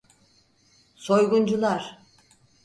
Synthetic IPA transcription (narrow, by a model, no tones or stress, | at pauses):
so̞jɡund͡ʒulˠaɾ̥